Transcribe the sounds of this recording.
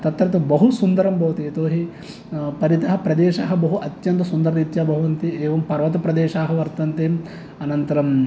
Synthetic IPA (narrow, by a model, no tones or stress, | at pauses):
t̪ɐt̪ɾɐt̪ubɐɦusund̪ɐɾɐmbʱɐʋɐt̪eːt̪oːɦi | pɐɾit̪ɐɦɐpɾɐd̪eːʃaːɦɐ̆bɐɦuʔɐt̪jɐnt̪ɐsund̪ɐɾɐit̪jaːbʱɐɦuʋɐnt̪ieːʋɐmpɐɾʋɐt̪ɐpɾɐd̪eːʃaːɦɐʋɐɾt̪ɐnt̪eːm | ɐnɐnt̪ɐɾɐm